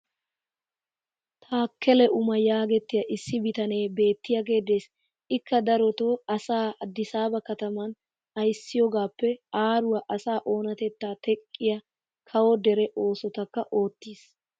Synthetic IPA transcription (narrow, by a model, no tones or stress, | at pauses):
t̪ʰaːkʰːɛlɛʔʊmɐjaːɡɛt̪ːɪjɐʔɪsːɪbɪt̪ɐne̞ːbe̞ːt̪ːɪjɐɡe̞ːd̪e̞ːs | ɪkːɐd̪ɐɾɔt̪oːɐsaːd̪ːɪsaːbɐkɐt̪ɐmɐn | ɐjsːɪjɔɡaːpːɛaːɾʊwɐʔɐsaːʔo̞ːnɐt̪ɛt̪ːaːt̪ʰɛkʼːɪjɐ | kʰɐwɔd̪ɛɾɛʔo̞ːsɔt̪ɐkːɐʔo̞ːt̪ːiːs